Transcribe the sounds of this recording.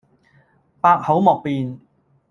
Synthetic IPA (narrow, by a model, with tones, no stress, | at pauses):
paː˧k̚ho˨˥wmɔː˨k̚piː˨˧n